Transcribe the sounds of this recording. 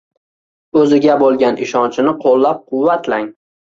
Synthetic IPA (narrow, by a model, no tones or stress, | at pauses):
ɵzɪɡʲabolˠɡʲanɪʃɒnt͡ʃʰɪnɪqʰolˠːap̚qʰʊwːat̪ʰlaŋ